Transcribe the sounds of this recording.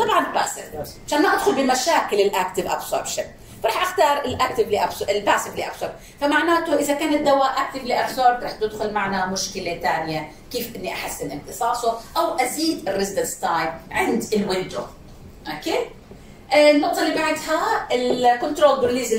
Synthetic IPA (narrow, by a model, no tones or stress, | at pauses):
t̪ˤɑbʕɑnbaʔsɪʕaʃaːnːʔad̪xʊlbɪmaʃaːkɪlɪlʔaːkt̪ɪvʔa̰bso̰ːɾbʃɪn | faɾˤɑːħʔaxt̪ɑːɾˤɪlʔaːk̚t̪ɪvliʔabɪlbaːsɪfliʔa̰bsoːɾb̚ | famaʕnaːt̪ʊʔɪzakaːnat̪̚d̪awaːʔak̚t̪ɪvliʔabsoːɾbɾɑːħt̪ɪd̪xʊlmaʕnamʊʃkɪlet̪aːnɪje | kiːfʔɪnːiʔaħɪsːɪlʔɪnt̪ɨsˤɑːsˤʊʔawʔaziːd̪ɪrːɪsbɪst̪aːjb̚ʕɪnd̪ɪlwɪnd̪ɾo | ʔokeː | nːɑb̚t̪ˤːɑlːibaʕd̪haɪlkʊnt̪ɾoːld̪ʊɾliːzɪ